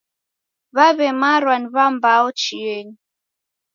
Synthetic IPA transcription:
βaβɛmaɾwaniβambaɔt͡ʃijɛni

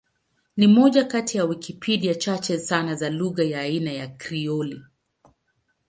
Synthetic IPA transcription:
nimɔʄakatijawikʰipʰiɗijat͡ʃat͡ʃɛsanazaluɣajaːinajakɾiɔli

